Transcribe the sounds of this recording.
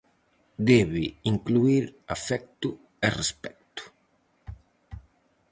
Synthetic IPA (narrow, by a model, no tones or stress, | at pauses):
d̪ɛβiiŋkluiɾafɛk̚t̪u | erespɛk̚t̪u̥